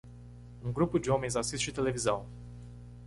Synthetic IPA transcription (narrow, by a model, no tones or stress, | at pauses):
uŋɡɾupud̪eomenʲzasist̪ʃit̪elevizaw